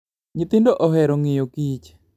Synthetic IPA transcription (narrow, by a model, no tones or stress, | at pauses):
ɲɪt̪ɪndoʔɔɦɛɾoŋɪjokit͡ʃ